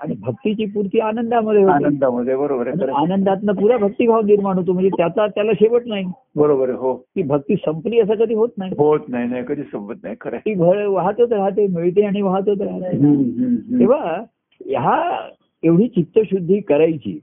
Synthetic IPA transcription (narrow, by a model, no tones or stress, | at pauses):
aɽ̃ibʱək̚t̪it͡ɕiːpuɾt̪iːanənd̪aməd̪ʱjeɦoanənd̪aməd̪ʱːjebəɾobəɾãɾanənd̪at̪napuɾabʱək̚t̪iːbʱaʋniɾmaɽ̃ut̪om̤əɳd͡zet̪jat͡sat̪jalaɕeʋəʈnaɦi | bəɾobəɾɦokiːbʱək̚t̪iːsəmpliːəs̬əkəd̪ʱiːɦot̪naɦiɦot̪naɦinajkəd̪ʱiːsəmbət̪̚na̰ɦjkʰəɾɛ̰k̪iːbʱəɾʋaɦt̪ot̪ɾaɦt̪̬emeɭt̪̬eaɽ̃iʋaɦt̪ot̪ɾaɦt̪aeɦ | k̪ĩʋ̤a | jɦa | eʋɽ̤iːt͡ɕit̪ːəɕud̪ʱːiːkəɾajt͡ɕḭː